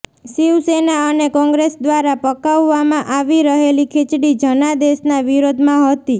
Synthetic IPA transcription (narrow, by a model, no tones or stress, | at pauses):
siwsenaənekɔ̃ŋɡɾesd̪ʋaɾapəkaʋːamãʔaʋiɾəɦelikʰet͡ʃɽid͡ʒənad̪esnaʋiɾod̪ʱmãɦət̪i